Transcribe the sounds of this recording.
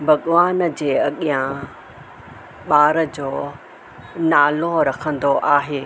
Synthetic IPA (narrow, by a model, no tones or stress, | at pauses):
bʱɐɠʋaːnd͡ʑeːɐɠijã | ɓaːɾəd͡ʑoː | naːloɾɐkʰə̃nd̪oʔaːɦeː